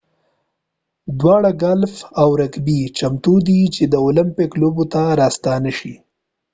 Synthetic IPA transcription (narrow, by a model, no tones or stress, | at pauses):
d̪wɑɽaɡalfawɾakbit͡ʃamt̪ud̪it͡ʃed̪əolɪmpɪklobot̪aɾɑst̪ɑnaʃi